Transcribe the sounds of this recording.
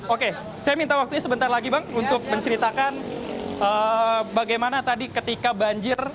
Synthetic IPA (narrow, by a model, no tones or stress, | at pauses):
oke | sajamint̪awak̚t̪uɲasəbənt̪arlaɡibaŋunt̪ʊk̚məɲt͡ʃəɾit̪akanəːbaɡajmanat̪adikət̪ikabaɲd͡ʒɪr